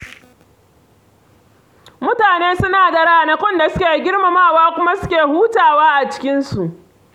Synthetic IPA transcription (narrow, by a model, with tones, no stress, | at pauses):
mʊ˦taː˨neː˦sʊ˦naː˨da˨ɽa˦˨nɐ˦kʷɔ˦nda˨sʊ˦kʲeː˨ɡʲɪ˦rma˨maː˦waː˦kʷʊ˦ma˦sʊ˦kʲeː˨huː˦taː˨waː˦ʔa˨t͡ʃɪ̥˦kʲɪ˦nsu˨ʔ